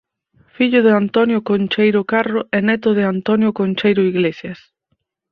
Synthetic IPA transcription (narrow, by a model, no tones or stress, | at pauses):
fiʎʊðɪant̪ɔnjokont͡ʃejɾʊkaroʔɛnɛt̪ʊð̞ɪant̪ɔnjokonʲt͡ʃejɾʊiɣlesjɐs